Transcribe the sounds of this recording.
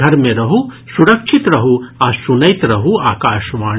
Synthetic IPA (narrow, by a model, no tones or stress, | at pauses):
ɐɾmẽɾɐɦu | suɾɐkʃʰɪt̪ɾɐɦuaːsunɐjt̪ɾɐɦuaːkaːʃʋaː